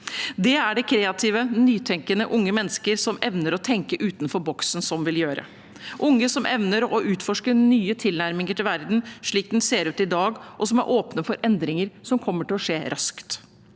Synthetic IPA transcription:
d̪ɛæɖɛkʰɾeːɑt̪ʰiːʋənyːt̪ʰɛŋkənəʔʊŋːəmɛnːəskəɾsɔmɛʋnəɾɔt̪ʰɛŋkəʔʉːt̪n̩fɔɾbɔksnsɔmʋɪljøːɾə̰ | ʔʊŋːəsɔmʔɛʋnəɾɔʔʉːt̪fɔʂkənyːət̪ʰɪlnæɾmɪŋəʈʰɪlʋæɾd̪n̩ʂɭiːk̚d̪ɛnseːɾʉːt̪ɪd̪ɑːɡʔɔsɔmæ̰ɾʔoːpnəfɔɾɛnd̪ɾɪŋəɾsɔmkʰɔmːəʈɪlɔʂeːɾɑskt̪

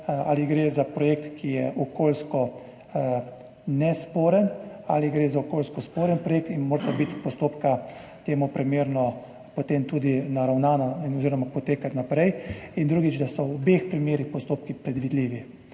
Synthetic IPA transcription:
a̰ːliɡɾeːzapɾɔjek̚t̪kʰijɛʔɔkoːlskɔ | nɛspoːɾəna̰liɡɾezaɔkoːlskɔspoːɾənpɾɔjeːk̚t̪inmoːɾt̪abit̪pɔst̪oːpkat̪eːmupɾimeːɾnɔ | pɔt̪emt̪uːd̪inaɾawnaːnainɔziːɾɔmapɔt̪eːkat̪napɾɛjind̪ɾuːɡid͡ʒd̪asɔwɔbexpɾimeːɾixpɔst̪oːp̚kipɾɛd̪ʋid̪liːʋi

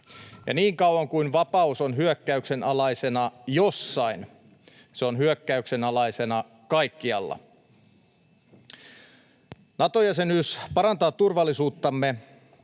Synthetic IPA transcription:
jɑ̰niːŋkɑwwɑŋkuinʋɑpɑuso̞nɦyøkːæykse̞nɑlɑjse̞nɑjosːɑin | seonhyøkːæykse̞nɑlɑjse̞nɑ | kɑjkːiɑ̰lːɑ̰ | nɑt̪ojæsenyːspɑɾɑnt̪ɑːt̪ːurʋɑlːisuːt̪ːɑmːe

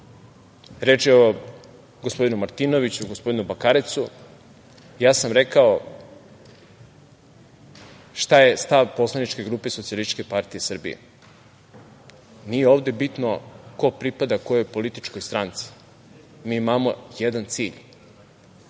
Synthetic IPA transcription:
ɾe̞t͡ʃio | ɡospo̞d̪inumaɾt̪ino̞ʋit͡ɕuɡospo̞d̪inubakaɾet̪su | jaːsamɾe̞kao̞ | ʃt̪aje̞st̪aʋpo̞slˠanit͡ʃke̞ɡɾuːpe̞sot̪sialist͡ʃkepaɾt̪ijesr̩bḭjḛ | nijeo̞ːʋd̪e̞bit̪no̞ko̞pɾipad̪ako̞jo̞po̞lit̪i̥t͡ʃko̞jst̪ɾant̪si̥ | miːmaːmo̞jed̪ant̪siːʎ

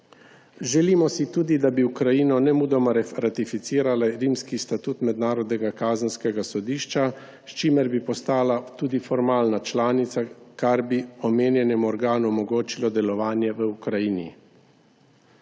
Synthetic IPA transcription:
ʒɛlimɔsit̪uːd̪id̪abiukɾajiːnɔnɛmuːd̪ɔmɔɾɾat̪ifit̪siːɾalaɾiːmskist̪at̪uːt̪mɛd̪naːɾɔd̪nɛɡakaːzənskɛɡasɔd̪iːʃt͡ʃa | st͡ʃiːmɛɾbipɔst̪aːlat̪uːd̪ifɔɾmaːlnat͡ʃlaːnit̪sakaɾbiɔmeːnjɛnɛmuɔɾɡaːnuɔmɔɡoːt͡ʃilɔd̪ɛlɔʋaːnjɛʋəukɾajiːnḭ

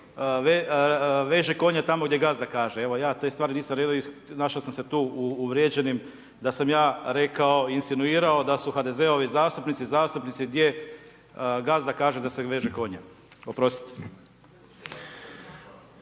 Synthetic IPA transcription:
ʋeʋeːʒeko̞ɲat̪amoɡd̪ʲje̞ɡazd̪akaːʒee̞ʋo̞jaːt̪est̪ʋaːɾiniːsamɾeːd̪oinaʃaosamse̞t̪uːuːʋɾjed͡ʑe̞nim | d̪asamjaːɾe̞kao̞insinuiːɾao̞d̪asuxad̪e̞zeo̞ʋizaːst̪upnit̪sizaːst̪upnit̪siɡd̪ʲje̞ | ɡazd̪akaːʒed̪aseʋe̞ːʒeko̞ɲa | opɾo̞st̪i̥t̪

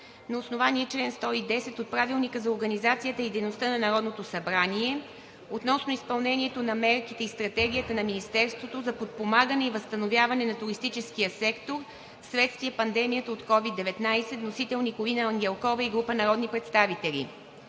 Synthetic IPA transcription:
nɐosnovaniɛt͡ʃlɛnst̪ɔid̪ɛsɛt̪ot̪̚pɾavilˠnikəzɐoɾɡɐnizat̪sijət̪əid̪ɛjnost̪ənɐnɐɾɔd̪not̪osɐbɾaniɛ | ot̪nɔsnoispɐlˠnɛnʲiɛt̪onɐmɛɾkit̪ɛist̪ɾɐt̪ɛɡʲijət̪ənɐminist̪ɛɾst̪vot̪ozɐpot̪̚pomaɡənɛivəst̪ɐnovʲjavɐnɛnɐt̪uɾist̪it͡ʃɛskijəsɛkt̪oɾ | fsvɛt̪st̪viɛpɐnd̪ɛmijət̪əot̪kɔvid̪ːɛvɛt̪najsɛt̪nosit̪ɛlˠnikovinɐɐŋɡʲɛlˠkɔvɐiɡɾupənɐɾɔd̪nipɾɛt̪st̪avit̪ɛlʲḭ

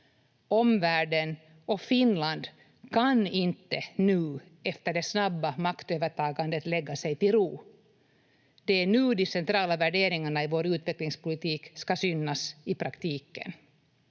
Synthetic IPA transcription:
ɔmvæːɖən | ɔfɪnland̪ | kʰanɪnt̪ːənʉ̟ː | ɛft̪əɖɛsnabːamakt̪øːvəʈʰɑːɡand̪ət̪lɛɡːasɛjt̪ɪlɾuː | d̪̥ɛæɳʉ̟ːd̪ɪsɛnt̪ɾɑːlavæɖeːɾɪŋaɳaɪvoːɾʉ̟ːt̪vɛklɪŋspʊlɪt̪ʰiːkskasʏnːasɪpʰɾakt̪ʰiːkə̰n

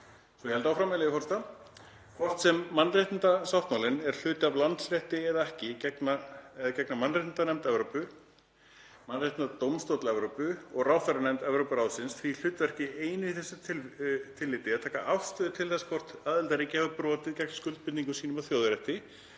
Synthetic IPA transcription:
svɔjɛhɛlt̪awfɾaːmɛlɪjɪfɔɾ̥rst̪a | kʰvɔr̥t̪sɛmːanːreht̪ɪnt̪asawht̪mawlɪnɛɾ̥l̥ʏːt̪ɪavlant̪slɛht̪ɪɛðaɛhcɪcɛknaɛðacɛknamanrɪjt̪nt̪anɛmt̪ɛvɾopʏ | manːreht̪nt̪at̪owmst̪owt̪lɛvɾowpʏɔɣrawfɛɾanɛmt̪ɛvɾowpʏɾaːwsɪnsθil̥ʏːt̪vɛr̥cɪeːjnʏiθɛsːa | t̪ʰɪlːɪt̪ɪaðt̪ʰɛːka̰ʔawfst̪ʏːðʏt̪ʰɪlθɛsːḁkʰvɔr̥t̪aːðɪlt̪aɾicɪavapɾɔːt̪ɪðcɛkn̥skʏlt̪̚pɪnt̪niŋkʏsiːnʏmawθjoːwðʏɾɛht̪ɪ

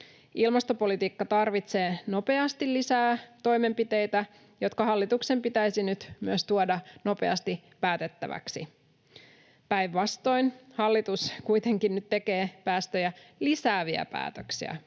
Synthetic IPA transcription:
ilmɑst̪o̞po̞lit̪iːkːɑt̪ɑrʋit̪se̞ːno̞pe̞ɑst̪ilisæːt̪o̞jme̞mpit̪e̞jt̪æ | jo̞t̪kɑɦɑlːit̪ukse̞mpit̪æjsinyt̪myøst̪uodɑno̞pe̞̰ɑ̰st̪i | pæːt̪e̞t̪ːæ̰ʋæ̰ksḭ | pæjʋːɑst̪o̞jnhɑlːit̪uskujt̪e̞ŋkinnyt̪t̪ːe̞ke̞ːpæːst̪øjælisæːʋiæ̰pæ̰ːt̪øksḭæ̰

